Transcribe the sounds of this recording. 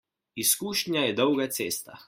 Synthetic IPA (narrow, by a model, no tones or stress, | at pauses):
iskuːʃnʲjajɛd̪ɔwɡat̪seːst̪a